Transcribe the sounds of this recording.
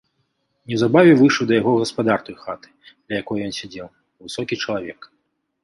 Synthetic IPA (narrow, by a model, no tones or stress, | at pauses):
nʲɛwzabavʲɛvɨʂɨwd̪ɐjaɣɔɣɐspad̪art̪ɐjxat̪ɨ̥d̪̥lʲɐjakɔjjɔnsʲad͡zʲɛw | vɨsɔkʲit͡ʂɐlˠavʲɛk